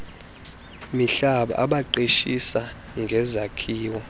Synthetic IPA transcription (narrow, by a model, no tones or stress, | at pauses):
miɬaɓa̰ʔaɓaǃeʃisa | ŋɡʱɛzakʰiːwɔ